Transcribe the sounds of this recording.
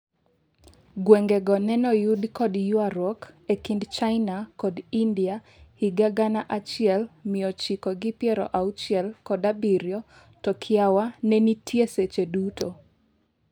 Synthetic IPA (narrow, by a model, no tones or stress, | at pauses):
ɡwɛŋɡɛɡɔnɛnɔjudkɔdjuaɾɔkekindt͡ʃaɪnakɔdindia | hiɡaɡanaʔat͡ʃɪɛlmɪɔt͡ʃikɔɡɪpjɛɾɔ̰ʔaut͡ʃɪɛlkɔdabiɾjɔ | tɔkʰɪawanɛnitʰjeset͡ʃeduto